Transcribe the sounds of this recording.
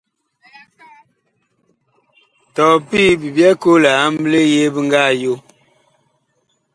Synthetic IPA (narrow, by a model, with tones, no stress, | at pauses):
tɔ˨pi˦bi˨bjɛ˦ko˦la˨a˦mble˦je˦bə˦ŋ˦ɡa˦˨jo˦